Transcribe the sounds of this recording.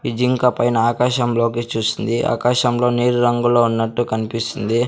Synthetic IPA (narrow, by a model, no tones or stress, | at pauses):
ʋid͡ʒiŋkɐpɐjnɐaːkaːʃɐmlo̞ːkit͡ʃuːsind̪iʔa̰ːkaːʃɐmlo̞ːneːɾuɾɐŋɡuloːunːɐʈːukɐnipist̪und̪i